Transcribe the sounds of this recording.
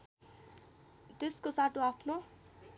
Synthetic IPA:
t̪eskosaʈoapʰno

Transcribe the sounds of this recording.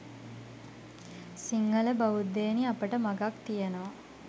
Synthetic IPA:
siŋɡɐləbɐʋud̪ːeːniɐpəʈəmɐɡakt̪ijɐnoʋɐ

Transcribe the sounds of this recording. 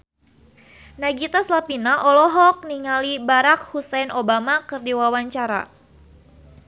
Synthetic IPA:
naɡit̪aslapinaʔɔlɔɦɔk̚niŋalibaɾak̚husɛnʔobamakɨrdiwawaɲt͡ʃaɾa̰

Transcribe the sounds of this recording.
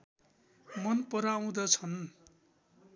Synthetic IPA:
mʌnpʌɾaw̃d̪ʌt͡sʰʌn

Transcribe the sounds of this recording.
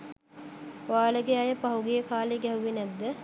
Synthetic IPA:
ʋaːləɡeajəpaɦuɡijəkaːleɡɛɦuʋinɛd̪ːə

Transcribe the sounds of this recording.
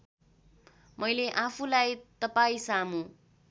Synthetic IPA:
mʌjleʔapʰulajt̪ʌpaĩsamu

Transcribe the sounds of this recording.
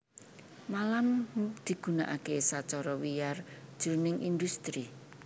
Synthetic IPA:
malamd̪̥i̤ɡ̥ṳna̰ʔakesat͡ʃɔɾɔwijar̥ʒ̥ṳɾnɪŋʔind̪ust̪ɾi

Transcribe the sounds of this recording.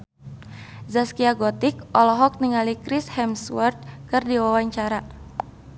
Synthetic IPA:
zaskiaɡɔt̪ɪk̚ʔɔlɔɦɔk̚niŋalikɾɪshɛmswɔrd̪̚kɨrdiwawaɲt͡ʃaɾa

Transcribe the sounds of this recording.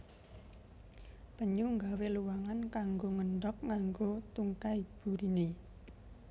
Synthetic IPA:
pəɲuŋɡaweluwaŋankaŋɡoŋəɳɖɔk̚ŋaŋɡot̪uŋkaib̥ṳɾine

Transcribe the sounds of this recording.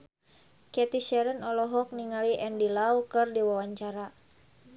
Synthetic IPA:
kɛt̪iʃɛɾənɔlɔɦɔk̚niŋaliʔɛndilawkɨrdiwawaɲt͡ʃaɾa

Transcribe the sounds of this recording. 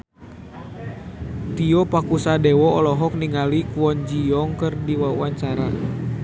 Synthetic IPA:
t̪iɔpakusadɛwɔɔlɔɦɔk̚niŋalikuwɔnd͡ʒijɔŋkɨrdiwawaɲt͡ʃaɾa

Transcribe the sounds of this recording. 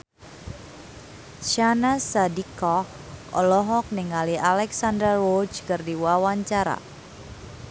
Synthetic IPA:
ʃanasadikɔh | ʔɔ̰lɔɦɔk̚nɪŋalialɛksandərːod͡ʒkɨrdiwawaɲt͡ʃaɾa̰

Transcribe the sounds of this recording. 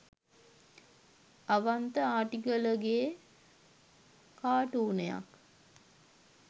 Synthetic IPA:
aʋant̪əaːʈiɡələɡe | kaːʈuːneja̰k

